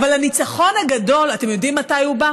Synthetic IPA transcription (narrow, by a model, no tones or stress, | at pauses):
valhanit͡saχo̞nhaɡado̞late̞mjo̞dimːatajuba